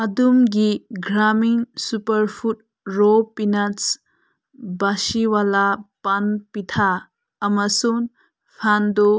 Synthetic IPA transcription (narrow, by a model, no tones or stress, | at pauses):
ɐdumɡiɡɾamiŋsupɐɾpʰut̚ | ɾopinas | basiwalapanpit̪ʰaː | mɐsun | pʰando